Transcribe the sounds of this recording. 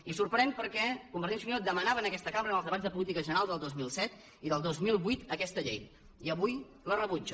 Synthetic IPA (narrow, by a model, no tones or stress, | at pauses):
isurpɾɛmpəɾkɛkumbəɾt̪insuɲod̪əmənaβənəkɛst̪əkaməɾənəlˠzðəβazðəpulit̪ikəʒənəɾalˠd̪əlˠd̪ozmilˠsɛt̪ | iðəlˠd̪ozmilˠβit̪əkɛst̪əʎḛj | iəβuj | lərəβud͡ʒə